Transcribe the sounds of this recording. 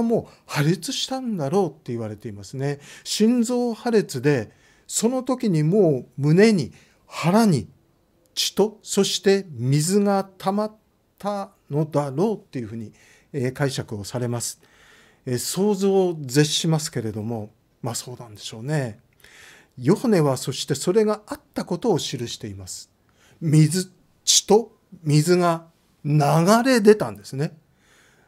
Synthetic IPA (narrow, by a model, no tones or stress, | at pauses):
mo̞ːhaɾet͡sɨɕi̥t̪ãnd̪aɾo̞ːt̪ːe̞iβaɾe̞t̪e̞imasɨne̞ɕĩnd͡zo̞ːhaɾet͡sɨd̪e̞ | so̞no̞t̪o̞kʲiɲ̟imo̞ːmɯ̟ne̞ɲ̟i | haɾaɲ̟i | t͡ɕi̥t̪o̞so̞ɕi̥t̪e̞mʲizɨŋat̪ʰamat̪ʰː | a | no̞d̪aɾo̞ːt̪ːe̞jɯ̟ɸɯ̟ːɲ̟i | kaiɕakɯ̟o̞saɾe̞masɨ̥ | so̞ːzo̞ːze̞ɕɕimasɨ̥ke̞ɾe̞d̪o̞mo̞ | maso̞ːnãnd̪e̞ɕo̞ːne̞ | jo̞hane̞βaso̞ɕi̥t̪e̞so̞ɾe̞ɡaat̪ːako̞t̪o̞ːɕiɾɯ̟ɕi̥t̪e̞imasɨ̥ | mʲizɨ | t͡ɕi̥t̪o̞ | mʲizɨɡa | naɡaɾe̞d̪e̞t̪ãnd̪e̞sɨne̞